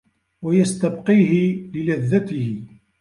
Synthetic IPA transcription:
wajast̪abqiːɦɪlɪlæðːat̪ɪhɪ

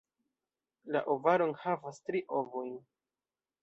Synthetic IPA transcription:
la̰ʔovaɾonhavastɾiʔovojn

